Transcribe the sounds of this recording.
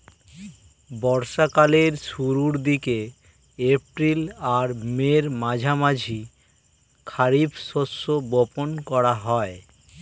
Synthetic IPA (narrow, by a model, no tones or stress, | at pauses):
bɔɾʃakaleɾʃuɾuɾd̪ike | epɾilaɾmeɾmãd͡ʑʱamad͡ʑʱi | kʰaɾibʃoʃːoboponkɔɾaɦɔe